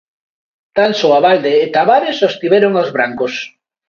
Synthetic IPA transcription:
t̪ansoaβald̪eːt̪aβaɾesost̪iβɛɾoŋazβɾaŋkos

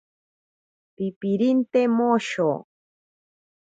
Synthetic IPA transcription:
pipiɾint̪emoʃo

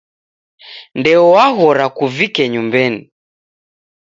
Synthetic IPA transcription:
ndɛɔwaɣɔɾakuvikɛɲumbɛni

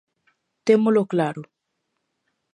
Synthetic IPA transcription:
t̪emoloklaɾo

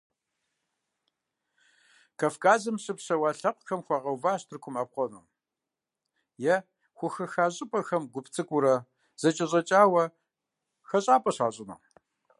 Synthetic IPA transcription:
kʰafkaːzɨmɕʼɨpɕɐwaːɬɐqʷxɐmxʷɑʁɐwvaːɕtʰɨrkʷʰʊmaːp̚qʷɔnɨ̰ | jɛ | xʷʊxɐxaːʑʼɪpʼɐxɐmɡʷʊpt͡sʰɨkʷʼʊɾɐ | z̥ɐt͡ʃʼɐʑʼɐt͡ʃʼaːwɐ | xɐɕʼaːpʼɐɕaːɕʼɪnɐ̰

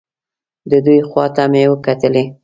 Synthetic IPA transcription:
d̪əd̪ujxwɑt̪amewəkat̪əle

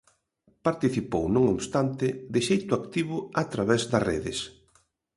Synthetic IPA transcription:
paɾt̪iθipownũŋoβst̪ant̪ɪd̪ɪʃejt̪ʊakt̪iβ̞ʊat̪ɾaβɛzd̪ɐsreðɪs

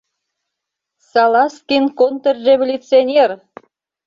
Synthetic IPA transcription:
sɑlˠɑskʲinkont̪errevolʲut̪t͡sɨonʲer

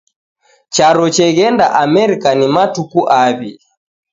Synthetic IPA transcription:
t͡ʃaɾɔt͡ʃɛɣɛndaʔamɛɾikanimatukuʔaβi

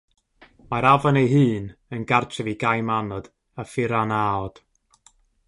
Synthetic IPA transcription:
maɾavɔnejɦɨːnənɡartʰɛviɡajmanɔd̥ | afɪɾanaɔd̥

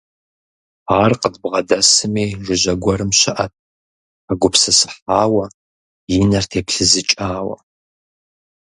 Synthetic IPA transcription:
aːrqʼədbʁɐdɐsɨmiːʒɨʑɐɡʷɔɾɨmɕɪʔɐt̚ʰ | aɡʷʊpʰsɐsɨ̥ħaːwɐ | jɪnɐrtʰeːpɬɨzɨt͡ʃʼaːwɐ̰

